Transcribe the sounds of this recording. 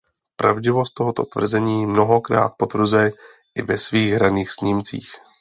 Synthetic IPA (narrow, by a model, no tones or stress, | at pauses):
pɾa̰vɟɪvo̞st̪oɦot̪o̞̰t̪vr̩zɛɲiːmno̞ɦo̞kɾa̰ːt̪̚po̞t̪vr̩zɛ | ʔɪvɛsviːɣɦɾaniːxsɲɪmt͡sḭːx